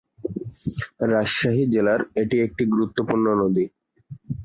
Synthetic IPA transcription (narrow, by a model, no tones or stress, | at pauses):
ɾaʃʃaɦid͡ʑelaɾeʈiek̚ʈiɡɾut̪ːopuɾnonod̪i